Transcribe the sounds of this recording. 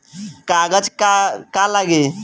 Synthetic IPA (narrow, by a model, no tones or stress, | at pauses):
kaɡəd͡ʒkakalaɡe